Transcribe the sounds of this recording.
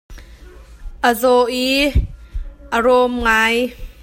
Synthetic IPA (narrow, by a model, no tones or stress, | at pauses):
ʔəzɔʔi | ʔəɾɔmŋaj